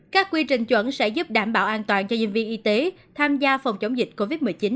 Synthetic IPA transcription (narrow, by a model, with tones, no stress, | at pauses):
kaː˦˥kːwi˧t͡ɕï˨˩ŋ̟t͡ɕwə̰˧˥nsɛ̰˧˥zu˦˥p̚ɗaː˧˩mɓaː˧˩wʔaː˧nt̪waː˨˩nt͡ɕɔ˧ɲḭ˧˨n̟vi˧nʔi˨˧˦t̪e˨˦t̪ʰaː˧mzaː˧fə˨˩wŋ͡mt͡ɕə˨˦wŋ͡mzï˨˩k̟̚ko˧vi˦˥t̚mɨ˨˩jt͡ɕi˨˦n